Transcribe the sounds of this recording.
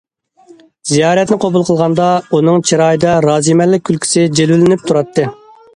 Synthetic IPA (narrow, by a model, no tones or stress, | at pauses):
zijɑːɾɛt̪nɪqʰobulˠqʰəlˠʁɑnd̪ɑunɨŋt͡ʃʰiɾɑːjid̪ɑɾɑːzimɛlːɪk̚ʲʰːylkʲʰi̥sɪd͡ʒelwɪlɪnɪp̚t̪ʰuɾɑt̪ʰːɨ